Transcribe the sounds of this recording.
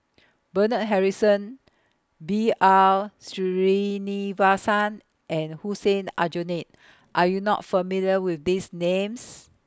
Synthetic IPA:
bənət̚ɦɛɹisə̃n | bialsiɹinivasãn | ʔɛ̃nhusẽnad͡ʒonet̚ | ʔajunɔ̰t̚fəmiljəwifdisnẽms

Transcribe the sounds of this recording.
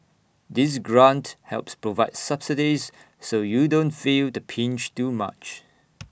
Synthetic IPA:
dɪs̬ɡɹãnthɛ̰lˠpspɹovaɪdsʌb̥sidizː | ojudõntfiltəpʰĩnd͡ʒtuma̰t͡ʃ

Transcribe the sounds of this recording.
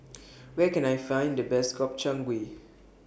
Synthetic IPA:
wɛkɛ̃najfãj̃ndəbɛskɔp̚t͡ʃãŋɡwe

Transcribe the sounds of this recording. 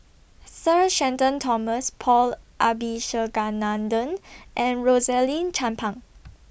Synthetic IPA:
səʃɛ̃ntə̃ntʰɔməspʰɔlʔabiʃəɡanãndə̃nʔɛ̃nɹozɛlĩnt͡ʃʰãmpʰãŋ

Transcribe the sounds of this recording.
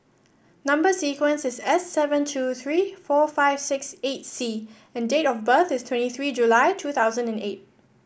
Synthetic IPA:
nãmbəsikwə̃nsɪsɛsːɛvə̃ntʰuθɹiːfɔfaɪv̥sɪkset̚si | ɛ̃ndetɔfbəθɪstʰw̥ɛ̃ntiθɹiːd͡ʒulaɪtʰuːt̪ʰaʊzə̃nɛ̃nḛt̚

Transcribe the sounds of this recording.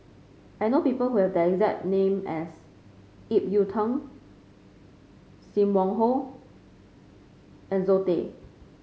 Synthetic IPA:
ʔajnopipəlhuhɛvdɛɛkzɛk̚t̚nẽmɛs | ip̚jutʰə̃n | sĩmwɔ̃ŋɦo | ɛ̃nzotḛ

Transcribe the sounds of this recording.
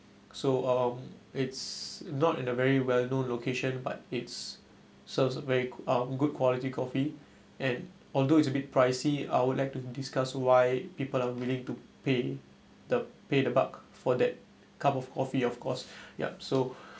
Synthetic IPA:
soʌ̃mɪtsnɔtĩnəvɛɹiwɛlnõnlokʰeʃə̃nba̰t̚ɪts | səvsəvɛɹiʌ̃mɡud̚kʰwɔlitikʰɔfi | ʔɛ̃n | ɔldoɪts̬əbit̚pʰɹaɪsia̰ɪwudlaɪk̚tudiskaswaɪpipəlawilɪ̃ŋtupe | dəpedəbakfɔdɛt̚ | kʰapɔfkʰɔfiɔfkʰɔsja̰so

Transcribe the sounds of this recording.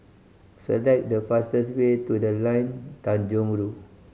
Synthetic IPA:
sə̰lɛk̚dəfastəswetudəlãjntãnd͡ʒɔ̃ŋɹu

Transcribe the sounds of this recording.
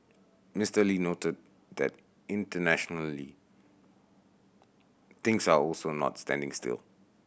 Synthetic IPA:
mɪstəlinotəd̚ | dɛ̰t | ɪ̃ntənæʃɔnəli | t̪ɪ̃ŋsaɔlsonɔ̰tstæ̰̃ndɪ̃ŋstɪ̰lˠ

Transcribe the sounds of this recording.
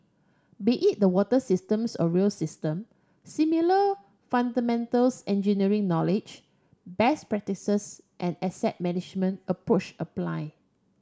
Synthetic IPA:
beʔit̚dəwɔtəsistə̃msɔ̰ɹilsistə̃m | similə | fãndəmɛ̃ntəlsɛ̃nd͡ʒiniɹĩŋnɔlɪd͡ʒ | bɛspɹɛk̚tisəs | ʔɛ̃nɛsɛ̰t̚mɛnɪd͡ʒmə̃nʔəpɹot͡ʃəpla̰ɪ

